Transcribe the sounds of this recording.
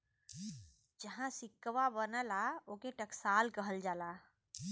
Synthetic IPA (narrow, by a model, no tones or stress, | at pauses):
d͡ʒəɦãsikːʋabənəlaokeʈəksalkəɦəld͡ʒala